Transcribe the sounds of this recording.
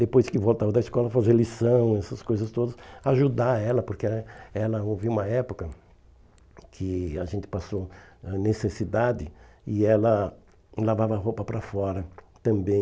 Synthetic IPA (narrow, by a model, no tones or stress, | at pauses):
d̪epojskɪvowt̪avɐd̪ɐiskɔlɐfazelisɐ̃w̃ɛsɐskojzɐst̪od̪ɐsaaʒud̪aɛlɐpoɾkeɛlɐoviũmɐɛpokɐ | kʰɪaʒẽnt̪ɪ̥pasoɛnesesid̪ad̪ɪɪɛlɐ | lavavɐɦowpɐpɾɐfɔɾɐt̪ɐ̃mbẽj̃